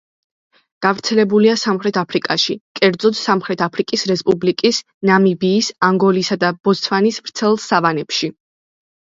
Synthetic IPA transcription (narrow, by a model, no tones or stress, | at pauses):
ɡ̥avɾt̪sʰɛlɛbuliasamχɾɛt̪ʰapʰɾikʼaʃikʼɛɾd̪zɔd̪samχɾɛt̪ʰapʰɾikʼisɾɛspʼublikʼis | namibiːsaŋɡɔlisad̪abɔst̪ʰvanisvɾt̪sʰɛlˠsavanɛpʃi